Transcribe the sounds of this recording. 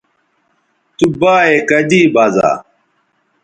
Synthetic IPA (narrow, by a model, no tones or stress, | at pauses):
t̪ubaːekɐd̪iːbaza̰ː